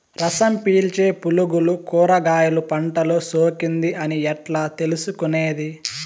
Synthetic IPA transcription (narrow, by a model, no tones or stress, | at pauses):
ɾɐsɐmpiːlt͡ʃe̞ːpuluɡulukuːɾɐɡaːjɐlupɐɳʈɐloːsoːkind̪iʔɐniɛʈlaːt̪e̞lusukune̞ːd̪i